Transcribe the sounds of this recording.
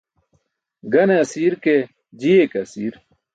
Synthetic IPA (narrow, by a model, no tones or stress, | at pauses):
ɡɐneɐsiːɾke | d͡ʑiekɐsiːɾ